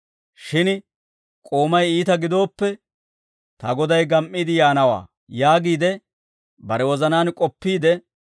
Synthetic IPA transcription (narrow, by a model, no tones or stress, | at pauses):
ʃɪn | kʼoːmɐjiːt̪ɐɡɪd̪o̞ːpːɛ | t̪ɐɡɔd̪ɐjɡɐmʔːiːd̪ɪjaːnɐwa̰ː | jaːɡiːd̪ɛ | bɐɾɛwɔzɐnaːnkʼɔpːiːd̪ɛ